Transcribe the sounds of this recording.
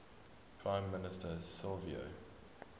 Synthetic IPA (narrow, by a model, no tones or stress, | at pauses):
pʰɹãɪ̃mːɪnɪstəsɪlviə̰